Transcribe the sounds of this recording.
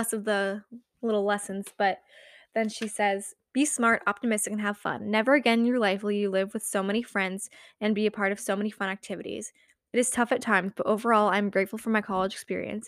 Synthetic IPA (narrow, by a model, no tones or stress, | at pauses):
sʌvðə | lɪɾl̩ˠlɛsɨ̃n̩z̥b̥ʌt̪̚ | ðɨ̃nʃisɛz̥ | b̥ismɑɹɾɑ̰p̚tɨmɪstɨkɨ̃n̩ɨv̥fʌ̰̃nːɛvə˞ɨɡɛ̃njə˞laɪfwɨlˠjɨlɪvwɨð̥soʊmɛɾ̃ifɹɛ̃ndz̥ɨ̃nbiɨpʰɑɹɾʌv̥soʊmɛnifʌ̃ɾ̃æk̚tʰɪvɨɾḭz̥ | ɨɾɨz̥tʰʌfɨtʰãɪ̃mzb̥ʌɾʔoʊvə˞ɔlˠãɪɨ̃mɡɹeɪtfl̩ˠfə˞maɪkʰɑlˠəd͡ʒɨkspɪ̰ɹḭɨ̰̃ns